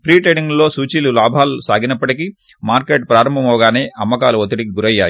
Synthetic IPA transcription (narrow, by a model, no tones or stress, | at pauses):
pɾiːʈɾeːniŋɡlo̞ːsuːt͡ʃiːlulaːbʱaːlusaːɡinɐpːɐʈiki | maːɾkeːʈpɾaːɾɐmbʱɐmɐːɐɡaːne̞ːʔɐmːɐkaːluot̪ɐʈikiɡuɾɐjːa̰ːji